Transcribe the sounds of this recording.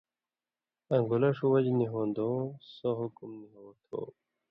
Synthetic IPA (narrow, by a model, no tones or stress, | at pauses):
ɐŋɡulɐʂuwɐd͡ʑniɦoːnd̪õːsoɦukumniɦoːt̪ʰo̰ː